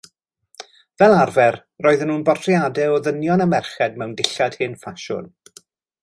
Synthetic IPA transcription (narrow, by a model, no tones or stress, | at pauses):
vɛlˠarvɛr | roːɨðənuːnbɔrtʰrjadɛɔðənjɔnəmɛrχɛdmɛwndɪɬad̥hɪnfaʃʊ̰n